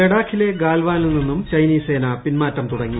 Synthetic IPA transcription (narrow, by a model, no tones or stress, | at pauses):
eɽaːkʰile̞ɡaːlʋaːnninːinːumt͡ɕɐjniːse̞ːnɐpinmaːtːɐmt̪uɽɐŋːi